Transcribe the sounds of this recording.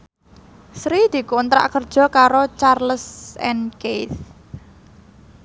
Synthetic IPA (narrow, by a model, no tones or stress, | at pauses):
sɾid̪̥i̤kunt̪ɾa̰ʔkərd̥ʒ̥ɔ̤kaɾot͡ʃarləsɛ̰nkeθ